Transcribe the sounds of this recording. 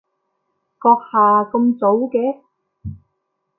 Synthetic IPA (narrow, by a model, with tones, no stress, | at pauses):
kɔː˧k̚haː˨kɤ˧mt͡so˨˥wkɛː˨˥